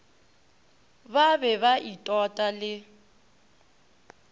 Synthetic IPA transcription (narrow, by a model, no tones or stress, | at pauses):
babɛβaʔitʼɔtʼalɪ